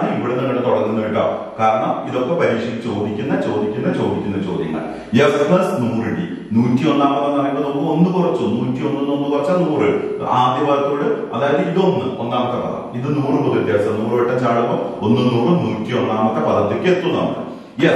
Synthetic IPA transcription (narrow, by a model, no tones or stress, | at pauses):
ɳɨipːiɽenɐŋːɐʈet̪oɽɐrinːɐiʈːa̰ːkaːɾɐɳɐmiðo̞kːe̞pɐɾiːʂɐɣit͡ɕo̞ːd̪ikʲːunːɐt͡ɕo̞ːd̪ikʲːunːɐt͡ɕo̞ːd̪ikʲːunːɐt͡ɕo̞ːd̪ʱjɐ̰ŋːɐ̰ɭ | jesmɐsnureɽḭ | nuːtːio̞nːaːmɐt̪ːenːɐrɐjnɐnokːɨo̞nːɨkurɐt͡ɕːuonːuːtːio̞nːɨnːonːɨkurɐt͡ɕːanuːrɨaːd̪jɐbaːðɐt̪ːoːɽɨɐðaːjɐðɨiðo̞nːɨo̞nːaːmɐt̪ːe̞pɐðɐ̰miðɨnuːrɨpoðuʈːɨjɐsɐnuːrɨʋeʈːɐɲt͡ɕaːɭupːoonːɨnuːrɨnuːtːio̞nːaːmɐt̪ːepɐðɐt̪ːekʲːet̪ːunːɐ̰mkːɨ̰ | e